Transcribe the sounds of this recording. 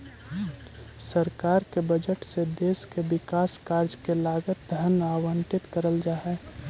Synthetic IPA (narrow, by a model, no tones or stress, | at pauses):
səɾkaːɾkebəd͡ʒəʈsed̪eːskebɪkaːskaːɾd͡ʒkelaːɡət̪̚d̪ʱənaːwə̃ɳʈɪt̪kəɾəld͡ʒaːɦɛ